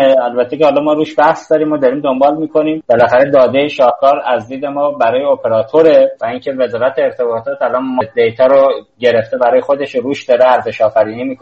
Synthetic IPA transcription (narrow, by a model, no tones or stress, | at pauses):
ælbæt̪ʰːe̞cehɒːlɒmɒːɾuːʃbæhsd̪ɒːɾiːmod̪ɒɾiːmd̪o̞mbɒːlmiːkʰo̞niːmbelæxæɾed̪ɒːd̪ejeʃɒːhkʰɒːɾæzd̪iːd̪e̞mɒːbæɾɒːjeopʰe̞ɾɒːt̪ʰoɾevæiŋcʰe̞ve̞zɒːɾæt̪ʰeːɾt̪ʰe̞bɒːt̪ʰɒːt̪ælɒnmɔd̪ejt̪ʰæɾoɟe̞ɾe̞ft̪e̞bæɾɒːje̞xo̞d̪e̞ʃɾuːʃd̪ɒːɾeæɾzeʃɒːfæɾiːnimiːkʰo